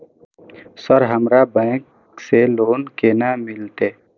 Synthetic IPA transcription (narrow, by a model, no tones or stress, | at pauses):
səɾɦɐmɾabɛ̃ːk | seloːnkeːnamɪlt̪eː